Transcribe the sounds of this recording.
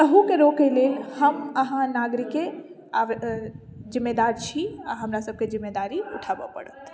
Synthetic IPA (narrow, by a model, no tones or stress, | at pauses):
t̪əɦũkeɾoɡkːelelhəmɐɦãnaːɡɾɪkːe | aʋ | zɪmːed̪aːɾt͡ʃʰiaɦɐmɾasəb̚kezɪmːed̪aːɾiʊʈʰaːbə̰pə̰ɽə̰t̪